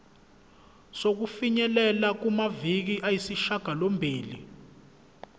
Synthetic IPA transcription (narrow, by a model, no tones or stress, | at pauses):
sok̬ufiɲɛlɛlak̬umavik̬iʔajisiʃaɡ̥ʱalombʱiːlḭ